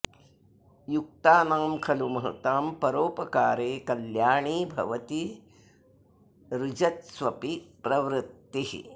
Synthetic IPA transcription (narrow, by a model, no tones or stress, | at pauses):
juk̚t̪aːnaːmkʰɐlumɐɦɐ̰t̪aːmpɐɾoːpɐkaːɾeːkɐljaːɳiːbʱɐ̰ʋɐt̪i | ɾud͡ʒɐt̪sʋɐpipɾɐʋɾɪt̪ːihḭ